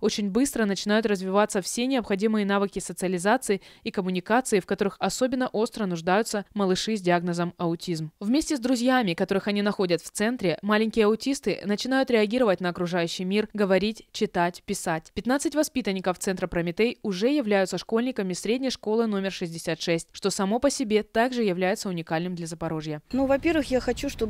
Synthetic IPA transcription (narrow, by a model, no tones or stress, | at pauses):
o̞t͡ɕɪnʲbɨst̪ɾənət͡ɕɪnajʊt̪rəzvʲɪvat̪sːəfsʲe̞nʲɪɐpxɐdʲimɨjənavɨkʲɪsət̪sɨɐlʲɪzat̪sɨɪikəmʊnʲɪkat̪sɨɪfkɐt̪o̞ɾɨxɐso̞bʲɪnːəʔo̞st̪ɾənʊʐd̪ajʊt̪səməlˠɨʂɨzʲdʲɪaɡnəzəmɐʊtʲizmvmʲesʲtʲɪzd̪ɾʊzʲjamʲɪkɐt̪o̞ɾɨxɐnʲinɐxo̞dʲət̪ft̪sɛnt̪ɾʲɪmalʲɪnʲkʲɪjəɐʊtʲist̪ɨ̰nət͡ɕɪn̪ajʊt̪ɾʲɪɐɡʲiɾəvətʲnəːkɾʊʐajʉɕːɪjmʲirɡəvɐɾʲitʲt͡ɕɪt̪atʲpʲɪsatʲpʲɪt̪nat̪sɨtʲvɐspʲit̪ənʲːɪkəft̪sɛnt̪ɾəpɾəmʲɪt̪ejʊʐɛjɪvlʲæjʊt̪səʂko̞lʲnʲɪkəmʲɪsɾʲedʲnʲɪjʂko̞lˠɨno̞mʲɪrʂɨzʲdʲɪsʲat̪ʂɛsʲtʲʂt̪o̞sɐmo̞pəsʲɪbʲe̞t̪aɡʐɨjɪvlʲæjɪt̪səʊnʲɪkalʲnɨmd̪lʲɐzəpɐɾo̞ʐjənuvɐpʲe̞rvɨxjaxɐt͡ɕuʂt̪o